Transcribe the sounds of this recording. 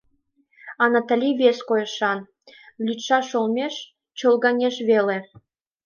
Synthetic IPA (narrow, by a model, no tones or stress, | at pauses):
ɑnɑt̪ɑ̆lʲiβʲeskojɤ̆ʃɑn | lʲyt̪ʃɑʃolˠmʲeʃ | t͡ɕolˠɡɑnʲeʃβelʲe